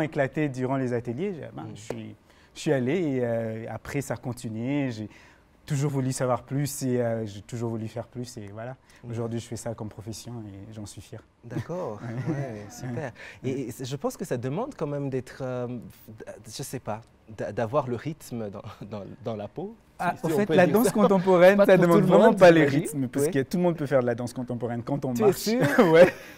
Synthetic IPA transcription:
eklat̪ed̪yʁɑ̃lezat̪əljeʒbɛ̰̃ʒəsɥi | sɥialeːøapχɛsakɔ̃t̪inɥeʒe | t̪uʒuʁvulysavwaʁplyseøʒet̪uʒuʁvulyfɛʁplysevwala | oʒuʁd̪ɥiʒəfɛsakɔmpχɔfɛsjɔ̃eʒɑ̃sɥifjɛʁ | d̪akɔʁwɛɛsyɛpɛʁesɛʒəpɑ̃skəsad̪əmɑ̃d̪kɑ̃mɛmd̪ɛt̪χø | ʒ̥əsɛpa | d̪ad̪avwaʁləʁit̪md̪ɑ̰̃d̪ɑ̃d̪ɑ̃lapo | aɑ̃fɛt̪plad̪ɑ̃skɔ̃t̪ɑ̃pɔʁɛnsad̪əmɑ̃dd̪vʁɛmɑ̃paleʁit̪mpaʁsəkət̪uləmɔ̃d̪̚pøfɛʁd̪əlad̪ɑ̃skɔ̃t̪ɑ̃pɔʁɛnkɑ̃t̪ɔ̃maɛʁʃywɛ

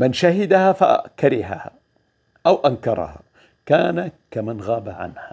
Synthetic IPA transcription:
mɪnʃahɪd̪ahafa̰kaɾɪɦaha̰ | ʔawʔankɑɾˤɑ̰ha̰ | kaːnakamanɣaːbaʕa̰nha

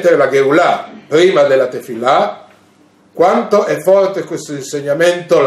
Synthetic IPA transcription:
t̪ːeɾelaɡeulapɾiːmad̪elːat̪efila | kwant̪oʔɛfːɔrt̪ekwest̪oinseɲːament̪ol

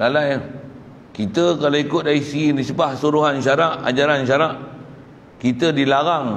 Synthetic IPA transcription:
lalaj | kit̪əkaloikʊt̪̚daisiinisəbahsuɾuɦanʃaɾaʔa̰d͡ʒaɾanʃaɾaʔ | kit̪ədilaɾaŋ

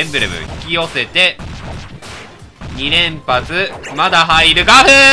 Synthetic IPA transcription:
ẽmbɯ̟ɾemɯ̰çi̥kʲio̞se̞t̪e̞ | ɲ̟iɾẽ̞mpat͡sɨmad̪aɦaiɾɯ̟ɡaɸɯ

